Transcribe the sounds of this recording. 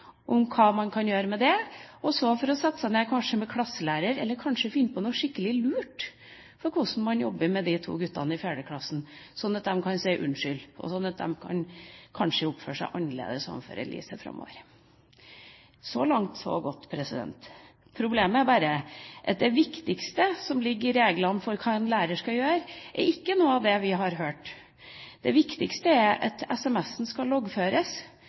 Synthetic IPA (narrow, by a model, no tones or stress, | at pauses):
ʔʊmkʰɑːmɑnkʰɑnjøːɾəmɛd̪ɛɔsɔfɔɾɔsɛt̪ːə̥sæɪneːkʰɑnʂəmɛkʰlɑsːəlæːɾəɾɛlːəɾkʰɑnʂəfɪnːpʰɔnɔʂɪkːəlɪlʉːʈ | fɔɾkʰʊsn̩mɑnjɔbːəmɛd̪it̪ʰṵːɡʉt̪ːɑ̰nəɪfjæːɖəkʰlɑsːn̩sɔnːɑt̪̚d̪ɛmkʰɑnsæɪʔʉ̰nʂʏlʔɔ̰sɔnːɑt̪̚d̪ɛ̰mkʰɑ̰nkʰɑnʂəʊpføːʂæɪʔɑnːəɭḛːd̪əsɑ̰mfø̰ːɾə̰lʔḭːsəfɾɑ̰mːo̰ːʋəɾ | sɔlɑŋt̪sɔ̰ɡɔt̪ːpʰɾɛsɪd̪ɛ̰nt̪ | pʰɾʊbleːməæɾbɑːɾəʔɑt̪̚d̪ɛʋɪkt̪ɪkst̪əsɔmlɪɡːɪɾeːɡlɑnːfɔɾkʰɑːɛnlæːɾəʂkɑjøːɾʔɛ̰ɾɪkːənuːəɑʋd̪ɛʋɪɦɑɾɦøːʈ | d̪̥ɛʋɪkt̪ɪkst̪əæɾʔɑ̰t̪ɛsɛmɛsːn̩skɑlɔɡføːɾəs